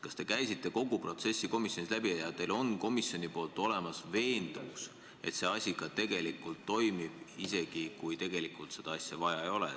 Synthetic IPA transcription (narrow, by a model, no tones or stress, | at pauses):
kɑst̪e̞kæjsit̪ˑːe̞ko̞ɡ̥upro̞t̪se̞sʲːiko̞misʲjo̞nislæbiɑjɑt̪ːelo̞nko̞misjo̞nʲipo̞ːlt̪ˑo̞le̞mɑsve̞ːnd̪̥uks | e̞̰t̪se̞ɑsʲiɡ̥ɑt̪e̞ɡ̥e̞likːˑult̪ːo̞jmib̥ise̞ɡ̥ikujt̪e̞ɡ̥e̞likˑult̪se̞d̪̥ɑɑsʲjɑvɑjɑejo̞lḛ